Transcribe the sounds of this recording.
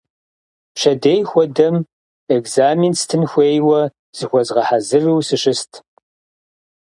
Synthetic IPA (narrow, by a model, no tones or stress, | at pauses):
ɕɐdeːjxʷɔdɐm | eɡzaːminstʰɨnxʷeːjwɐ | z̥ɨxʷɔzʁɐħazɨriwsɨʃɨstʰ